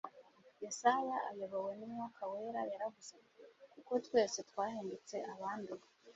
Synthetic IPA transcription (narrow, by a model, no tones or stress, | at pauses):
jesaβaʔajoβowenimŋakʰawe̞ɾajaɾaβuzekuko̞twe̞ːsetwaːheːndet͡se̞ʔaβaːndu